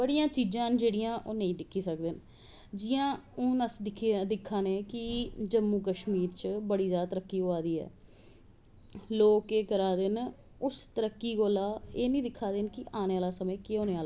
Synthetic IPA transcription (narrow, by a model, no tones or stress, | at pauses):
bəɽijãːt͡ʃiːd͡ʒãːnd͡ʒeːɽijãːʔoːnəĩːd̪ɪkʰːiːsək̚d̪ɪn | d͡ʒɪjãːoːnəsd̪ɪkʰd̪ɪkʰːaːneːkɪd͡ʒəmːuːkəʃmiːɾt͡ʃbəɽiːzjaːd̪at̪əɾəkːiːɡoaːd̪iːɛ̰ː | loːkeːkəɾaːd̪ɪn | ʊst̪əɾəkːiːɡoːlaːeːnĩːd̪ɪkʰːaːd̪ɪnkɪʔaːneːaːlaːsəmẽːkːoːneːaːla